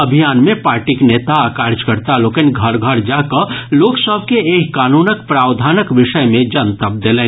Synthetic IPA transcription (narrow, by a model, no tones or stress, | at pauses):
əbʱijaːnmẽpaːɾʈikneːt̪aaːkaːɾd͡ʒkəɾt̪aloːkenɡʱəɾɡʱəɾd͡ʒaːkəloːksəb̚ʱkeeːkːaːnuːnəkpɾaːwd̪ʱaːnəkʋɪʃəjmẽd͡ʒənt̪əp̚d̪elẽː